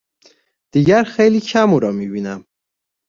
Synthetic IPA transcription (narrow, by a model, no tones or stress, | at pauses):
d̪̥iɡæɾxejlikʰæmuɾɒmibinæm